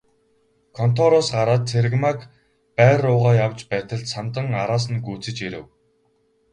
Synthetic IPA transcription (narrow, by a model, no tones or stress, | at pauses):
kʰɔn̥t̪ʰɔɾɔsɢaɾaːt̪̚t͡sʰerɣmak | pæːrʊːʁaːjawt͡ɕpæːt̪ə̆ɮt̪sant̪ə̆ŋaɾaːs̬ə̆nɡuːt͡sɘ̆t͡ɕiɾɘ̆w